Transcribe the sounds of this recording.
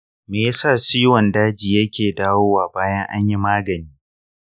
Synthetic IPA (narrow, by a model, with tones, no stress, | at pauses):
meː˨ja˦saː˦˨siː˦wɔ˨ndaː˦d͡ʒiː˨jɐ˦kʲeː˨daː˦woː˦waː˨baː˦jɐ˦ŋʔa̰˦ɲji˦maː˦ɡɐ˨niː˦